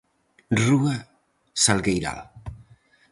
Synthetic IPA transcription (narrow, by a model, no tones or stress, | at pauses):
rua | salˠɡejɾa̰l